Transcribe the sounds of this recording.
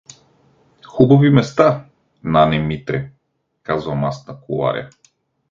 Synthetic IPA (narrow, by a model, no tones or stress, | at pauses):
xubavimɛst̪a | nanɛmit̪ɾɛ | kazuvamast̪nakuva̰ɾj̰a̰